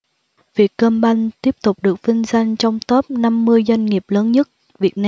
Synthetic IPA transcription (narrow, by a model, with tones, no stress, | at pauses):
vi˨˩ət̚kəː˧mɓa˧ŋt̪i˦˥əp̚t̪ʊ˨˩k͡p̚ɗɨ˨˩ək̚vi˧ŋ̟za˧jŋ̟t͡ɕɔ˧wŋ͡mt̪əː˦˥p̚na˧mːɨ˧əjzwa˧jŋ̟ŋi˨˩əp̚ləː˨˦nɲə˦˥t̚ | vi˨˩ət̚na˧